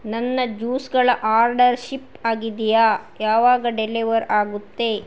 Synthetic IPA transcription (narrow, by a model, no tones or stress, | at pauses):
nɐnːɐd͡ʒuːsɡɐɭɐʔaːɾɖɐɾʃipaːɡid̪ijaːjaːʋaːɡɐɖeliʋɐɾaːɡut̪ːe